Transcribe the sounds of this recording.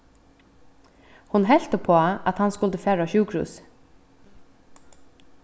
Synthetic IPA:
hʊnɦɛl̥t̪əpʰoːa̰t̪hanskʊlt̪əfæːɹaɕuːkʰɾʉ̰ːs

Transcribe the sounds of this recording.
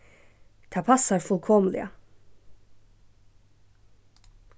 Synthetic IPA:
t̪ʰæpʰɑsɑɾfʉlkʰɔmlɪ̰ə̰

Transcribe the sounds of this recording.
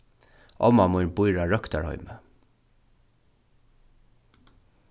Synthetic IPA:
ʔɔmamʊʏɾbʊjɹaɹœkt̪aɹhɔ̰ʏmə

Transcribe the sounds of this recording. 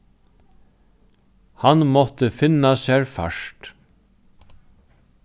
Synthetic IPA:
hanmɔt̪əfɪnːasɛɹfa̰ʂt̪

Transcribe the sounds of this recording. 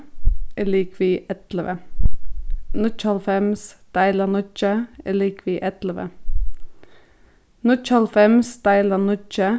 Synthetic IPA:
ɪliːkʋiːʔɛt̪ləʋə | nʊt͡ʃɑlfɛmsd̪̥æɪlənʊt͡ʃəɛ̰liːkʋiːʔɛt̪ləʋə̰ | nʊt͡ʃɑlfɛmsd̪̥æɪlənʊt͡ʃə

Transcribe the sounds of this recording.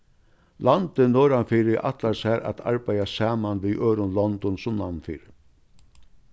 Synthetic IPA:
lant̪ɪnɔːɾanfiːɾɪʔa̰t̪laɾsɛːɾa̰t̪ʰa̰ɹbajasaːmanviːʔøːɾʊnlɔnd̪ɔnsʊmnamnfḭːɾɪ

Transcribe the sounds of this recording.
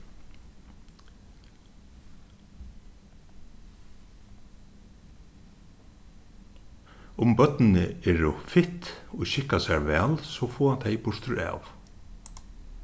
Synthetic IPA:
ʊmbœt̪nɪnɪɛːɹʊfɪht̪ɔʃɪhkasɛɹʋɛːlsɔfoːhant̪ʰejpʊʂt̪ʊɹa̰ːw

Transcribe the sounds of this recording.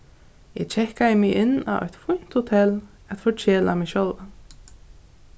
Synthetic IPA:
ɛɡt͡ʃʰɛhkaðəmɪɪnːa̰ɔ̰ʏt̪fʊn̥t̪hʊt̪ʰɛl | æt̪fɔt͡ɕʰeːla̰mɪʃœlv

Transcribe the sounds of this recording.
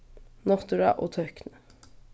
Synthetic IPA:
nɔt̪ʉɾɑ̰ʔo̰ːt̪ʰœknə

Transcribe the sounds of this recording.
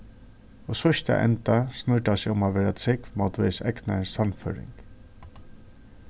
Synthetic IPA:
ɔsɔʃt̪a̰ʔɛ̰nt̪asnʏʈasɪʊmaʋeːɾat̪ʰɾɪkvmawt̪ʋesɛknasanfœ̰ːɾɪ̰ŋk

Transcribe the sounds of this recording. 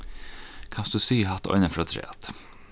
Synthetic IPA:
kʰɑnsd̪ʉsyːɦɑt̪ɔ̰ʏnəfɾoːt̪ʰɾḛːɑt̪

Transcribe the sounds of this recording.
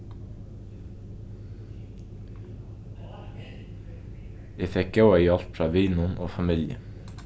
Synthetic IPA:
eːfɛk̚ɡɑʊɑiːɑlt̪fɾɑːʋiːnʊnʔoːfɑmɪljə̰

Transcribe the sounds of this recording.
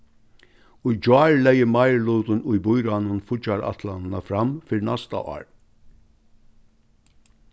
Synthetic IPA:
ʊjd͡ʒɑːɹlɛjəmajɹluːt̪ʊnʊjbʊjɾanʊnfʊt͡ʃaɾa̰t̪lannafɾamfɪːɾnast̪a̰ʔɑ̰ːɹ

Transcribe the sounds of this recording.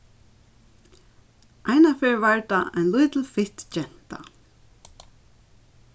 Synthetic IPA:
ʔajnafɪɹvaɹt̪aa̰jnlʊjt̪l̩fɪht̪t͡ʃɛn̥t̪a̰

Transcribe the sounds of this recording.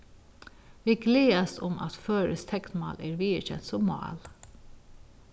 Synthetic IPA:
ʋiːɡleːɑst̪ɔmʔɑ̰t̪føːɾəst̪ʰɛkt̪mɑ̰ːlʔeːɾʋiːəçɛ̰nt̪sɔmɑ̰ːl

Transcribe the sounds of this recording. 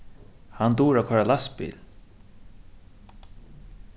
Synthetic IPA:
hand̪uːɾakʰɔɹalaspḭːl

